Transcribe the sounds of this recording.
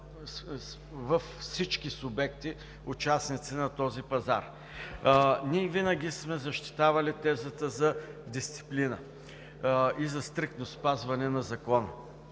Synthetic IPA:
vɐfsit͡ʃkisʊbɛkt̪i | ʊt͡ʃasnit̪sinɐt̪ɔzipɐza̰ɾ | niɛvinɐɡʲismɛzɐʃt̪i̥t̪avɐlit̪ɛzət̪əzɐd̪ist̪si̥plinə | izɐst̪ɾik̚t̪nospazvɐnɛnɐzɐkɔnə̰

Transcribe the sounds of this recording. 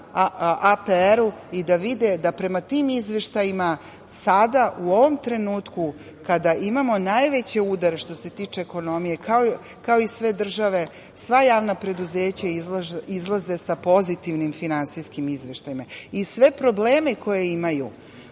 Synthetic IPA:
apeeɾuid̪aʋid̪ed̪apɾe̞mat̪iːmizʋe̞ʃt̪ajima | sad̪aʔuo̞ʋo̞mt̪ɾe̞nuːt̪ku | kad̪aʔimamo̞najʋet͡ɕe̞ud̪aɾe̞ʃt̪o̞se̞t̪iːt͡ʂeːko̞no̞mije̞kʰao | kaoisʋe̞d̪r̩ʒaʋe̞ | sʋajaːʋnapɾe̞d̪uzeːt͡ɕaizizlˠaze̞sapo̞zit̪iʋnimfinansijskimizʋe̞ʃt̪ajimaisʋe̞pɾo̞bleːmeko̞je̞imajṵ

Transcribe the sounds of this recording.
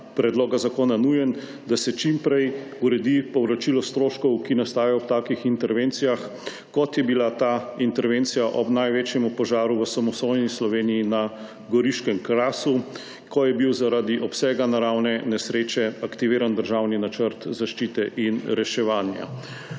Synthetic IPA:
pɾɛd̪loːɡazakoːnanujɛn | d̪asɛt͡ʃimpɾɛj | uɾɛd̪ipɔwɾat͡ʃilɔst̪ɾoːʃkɔwkinast̪aːjajɔwt̪aːkixint̪ɛɾʋeːnt̪sijax | kɔt̪jɛbilat̪aint̪ɛɾʋeːnt̪sijaʔɔbnajʋeːt͡ʃjɛmupɔʒaːɾuʋəsamɔst̪ojnislɔʋeːnijina | ɡɔɾiʃkɛmkɾaːsu | kɔjɛbiwzaɾad̪iʔɔpsɛːɡanaɾawnɛnɛsɾeːt͡ʃɛakt̪iʋeːɾand̪əɾʒawninat͡ʃəɾt̪zaʃt͡ʃiːt̪ɛʔinɾɛʃɛʋaːnja̰

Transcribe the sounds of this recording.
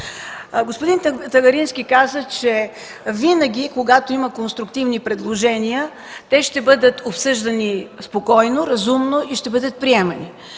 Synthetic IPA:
ɡospʊd̪int̪ɐɡɐɾinskʲikazət͡ʃɛ | vinəɡʲikoɡat̪oiməkonst̪ɾʊkt̪ivnipɾɛd̪lˠoʒɛnʲiə | t̪ɛʃt̪ɛbɤd̪ət̪opsɤʒd̪ɐnispokɔjnoɾɐzumnoʔiʃt̪ɛbɤd̪ət̪̚pɾiɛmɐni

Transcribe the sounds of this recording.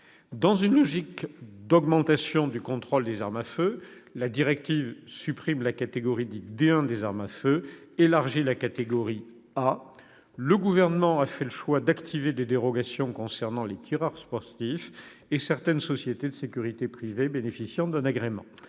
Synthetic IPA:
d̪ɑ̃zynlɔʒikd̪ɔɡmɑ̃t̪asjɔ̃d̪ykɔ̃t̪χɔld̪ezaʁmafølad̪iʁɛk̚t̪ivsypχimlakat̪eɡɔʁid̪id̪eɛ̃d̪ezaʁmaføelaʁʒilakat̪eɡɔʁi | a | ləɡuvɛʁnəmɑ̃afɛləʃwad̪akt̪ʰived̪ed̪eʁɔɡasjɔ̃kɔ̃sɛʁnɑ̃let̪ʰiʁaʁspɔʁt̪if | esɛʁt̪ɛnsɔsjet̪ed̪əsekʲyʁit̪epχivebenefisjɑ̃d̪ɛ̃naɡʁemɑ̰̃

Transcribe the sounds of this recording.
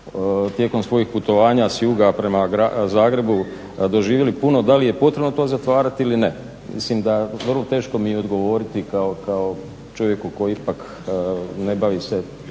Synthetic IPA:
t̪je̞ko̞msʋo̞jixput̪o̞ʋaːɲasjuːɡapɾe̞maɡɾazaːɡɾe̞bu | d̪o̞ʒiːʋjelipuno̞d̪alijepo̞t̪ɾe̞bno̞t̪o̞ːzat̪ʋaːɾat̪iiline | mḭslimd̪aʋrlˠo̞t̪e̞ːʃko̞miɛo̞d̪ɡo̞ʋo̞ːɾit̪ikaokao | t͡ʃo̞ʋje̞kuko̞jiipak | ne̞baʋise

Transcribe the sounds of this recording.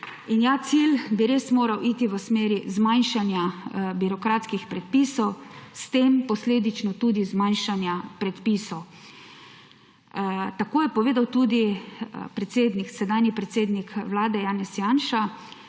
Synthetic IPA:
injaːt̪silbiɾesmoːɾawʔit̪iʋəsmeːɾizmanʃanjabiɾɔkɾaːt̪skixpɾɛt̪̚piːsɔwst̪eːmpɔsleːd̪it͡ʃnɔt̪uːd̪izmanʃanjapɾɛt̪pisɔw | t̪akoːjɛpɔʋeːd̪awt̪uːd̪ipɾɛt̪seːd̪niksɛd̪aːnipɾɛt̪seːd̪nikʋlaːd̪ɛjaːnɛsjanʃa

